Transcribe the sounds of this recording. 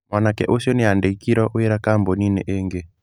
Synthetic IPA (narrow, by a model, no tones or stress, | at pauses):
mwanakɛ̰ʔosɔnɛandeikiɾɔʔoɛɾakambɔninɛ̰ʔeŋɡɛ